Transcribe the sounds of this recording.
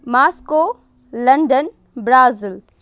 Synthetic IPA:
maːskoː | lɐɳɖən | bɾaːzɪl

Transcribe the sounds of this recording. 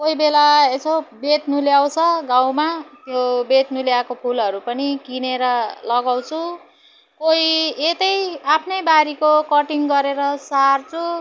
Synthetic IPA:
koibelaesʰobet̪nuljaw̃t͡sʰʌɡãw̃mat̪jobet̪nuljakopʰulʌɾupʌnikineɾʌlʌɡaw̃t͡sʰu | koiet̪ʌjapʰnʌjbaɾikokʌʈiŋɡʌɾeɾʌsart͡sʰu

